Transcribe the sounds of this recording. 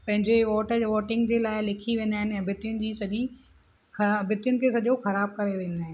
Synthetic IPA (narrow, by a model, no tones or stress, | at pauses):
pɐ̃ɦɪ̃ɲd͡ʑeʋoːʈəʋoːʈɪ̃ŋɡd͡ʑeːlaːɪlɪkʰiʋẽːnd̪aːɦɪnɛ̃bʱɪt̪jʊnɪ̆d͡ʑiːsɐʄi | xɐbʱɪt̪jʊnɪ̆kʰeːsɐʄoxɐɾaːb̚kɐɾeʋẽːnd̪aːɦɪnɪ